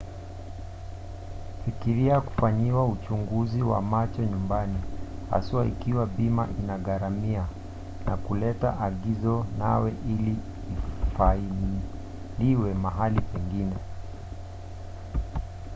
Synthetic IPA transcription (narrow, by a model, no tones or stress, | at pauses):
fikiɾiaku̥faɲiwaut͡ʃuŋɡuziwa̰mat͡ʃɔɲumbaniha̰suwaikiwabimaʔinaɠaɾamia | nakulɛtaʔaɠizɔna̰wɛʔiliː | faini | liwɛmaɦalipɛŋɡinɛ